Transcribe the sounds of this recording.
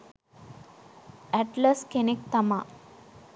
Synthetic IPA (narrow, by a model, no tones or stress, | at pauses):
æʈlaskenek̚t̪amaː